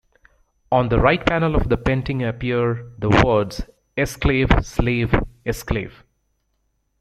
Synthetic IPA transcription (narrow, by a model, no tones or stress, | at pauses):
ɔ̃ːnd̪əɾaɪʈ̚pænəlɔfd̪əpẽnʈɪ̃ŋəpiəɾd̪əwəːɖz̥ | ɛskleːvsleːvɛsklḛːv